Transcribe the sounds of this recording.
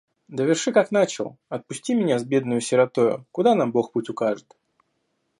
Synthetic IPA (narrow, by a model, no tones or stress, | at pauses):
d̪əvʲɪrʂɨkakn̪at͡ɕɪlˠɐt̪̚pʊsʲtʲimʲɪnʲazbʲe̞d̪nʊjʊsʲɪɾɐt̪ojʊ̰kʊd̪anamboxputʲʊkaʐɨt̪